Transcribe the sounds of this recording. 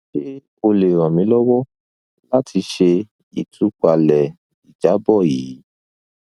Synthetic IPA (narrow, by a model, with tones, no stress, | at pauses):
ʃe˦ | o˧le˨ɾ̃ɔ̃˨mĩ˨˦lɔ˦wɔ˦ | la˦tʰi˧ʃe˧ | i˨tʰu˨˦k͡pa˧lɛ˨ | i˨d͡ʒa˨˦bɔ˦˨jiː˨˦